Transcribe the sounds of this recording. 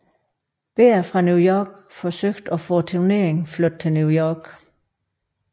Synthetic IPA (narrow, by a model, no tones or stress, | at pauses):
b̥e̝ːɐfʁɑ̈njujɒːɡ̥fɒ̽søɡ̥d̥ɒ̽fɔ̰ːt͡sʰine̝ɐeŋflød̥̚t͡sʰe̝lnjujɒːɡ̥